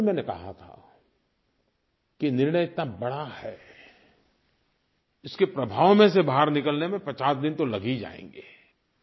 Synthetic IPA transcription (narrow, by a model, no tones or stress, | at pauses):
mɛ̃ːnekɐ̰ɦa̰t̪ʰa̰ | kinɪɾɳəjɪt̪nabɐɽahɛː | ɪskepɾɐbʱaːʋmẽsebaɦəɾnɪkəlnemẽpɾɐt͡ʃaːsd̪ɪnt̪olɐɡid͡ʒa̰ːḛ̃ːŋɡiː